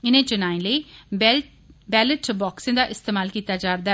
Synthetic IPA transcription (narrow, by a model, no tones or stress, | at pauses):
ɪnẽːt͡ʃʊnaːẽləiː | bɛːləʈbɔːksẽːd̪aːʔɪst̪eːmaːlkiːt̪aːd͡ʒaːɾd̪aː